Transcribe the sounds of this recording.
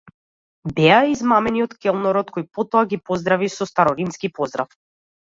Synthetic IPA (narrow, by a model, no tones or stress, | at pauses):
bɛaizmamɛniɔt̪kʲɛlˠnɔɾɔt̪kɔjpɔt̪ɔaɡipɔzd̪ɾavisɔst̪aɾɔɾimskipɔzd̪ɾa̰f